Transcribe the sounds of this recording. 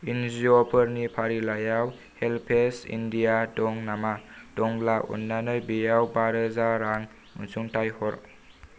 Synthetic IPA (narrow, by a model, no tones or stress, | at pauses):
inziɔpʰəɾnipʰaɾilajaw | helpʰesḭndijadɔŋnamad̥ɔŋlaṵnːanɯjbijawbaɾɯzaɾaŋ | unsuŋtajhɔɾ